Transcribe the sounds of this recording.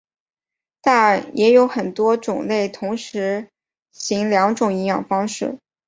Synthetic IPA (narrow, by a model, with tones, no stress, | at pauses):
t̪a˥˩˨jʔɛ˧˥jo˧˥ʊxə˨˩nt̪wɔ˥ʈ͡ʂʊ˨˩ŋle˥˩ɪt̪ʰʊ˧˥ŋʂɻ̩˧˥ | ɕi˧˥ŋljɑ˧˥ŋʈ͡ʂʊ˨˩ŋi˧˥jɑ̰˨˩ŋfɑ˥ŋʂɻ̩˥˩